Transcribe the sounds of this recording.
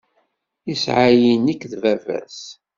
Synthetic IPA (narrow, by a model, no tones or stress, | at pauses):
isʕajinikːðvævæ̰s